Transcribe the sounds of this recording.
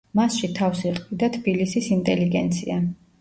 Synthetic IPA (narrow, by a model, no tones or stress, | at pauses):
masʃit̪ʰafsɛqʼvid̪at̪ʰbilisisint̪ʼɛliɡɛnt̪sʰia